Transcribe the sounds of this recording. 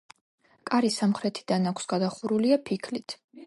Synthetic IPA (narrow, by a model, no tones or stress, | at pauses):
kʼaɾisamχɾɛt̪ʰid̪anakʰsɡad̪aχuɾuliapʰikʰlit̪ʰ